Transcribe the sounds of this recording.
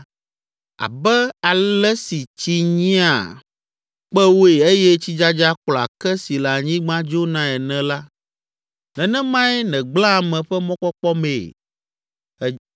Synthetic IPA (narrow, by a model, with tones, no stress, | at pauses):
a̰˨bɛ˦a˨lɛ˦si˨t͡ɕi˦ɲĩ˦a̰˨ | k͡pɛ˦wo˦e˨e˦jɛ˦t͡ɕi˦d͡ʒa˦d͡ʒa˦klɔ˨a̰˨kɛ˦si˨la˨ɲĩ˦ɡ͡bã˦d͡ʒo˦nã˦ɛ˨nɛ̃˨la˦ | nɛ̃˨nɛ̃˦mã˦ɛ˦nɛ̃˨ɡ͡blã˦˨mɛ̃˨ɸɛ˦mɔ̃˦kɔ˦k͡pɔ˦me˨ | ɛ˨